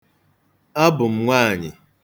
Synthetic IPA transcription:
a˦bʊ˨m̩˦ŋʷaː˦˨ɲɪ̰˨

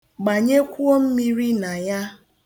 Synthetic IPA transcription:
ɡ͡ba˨ɲe˦kʷu˦o˦m̩˦mi˦ɾi˦na˨ja˦

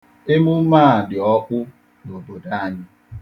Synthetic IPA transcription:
e˦mu˦maː˦˨dɪ˨ɔ˦ʔʷʊ˦ | no˨bo˨da˦a˦ɲɪ˦

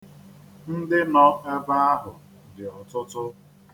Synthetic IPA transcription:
n̩˦dɪ˦nɔ˦e˦ba˦a˦ɦʊ˨ | dɪ˨ɔ˨tʊ˦tʊ˦

